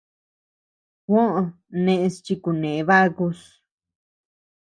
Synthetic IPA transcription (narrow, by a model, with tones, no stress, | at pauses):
kʷõ˦ʔõ˧ | nẽ˧ʔẽ˧st͡ʃi˧ku˧nẽ˨˦βa˦ɣu˧s